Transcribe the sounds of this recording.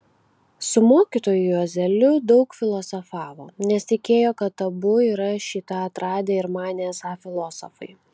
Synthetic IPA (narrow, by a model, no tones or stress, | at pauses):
sʊmoːkʲit̪oːjʊɐzʲɛlʲʊd̪ɒʊkfʲɪlˠɔsɔfɑːʋoːnʲɛst̪ʲɪkʲeːjoːkɐt̪ːɐbʊiːɾɐʃʲiːt̪ɐɐt̪ɾɑːd̪ʲeːɪɾmɑːnʲeːsɑːfʲɪlˠɔːsɔfɐɪ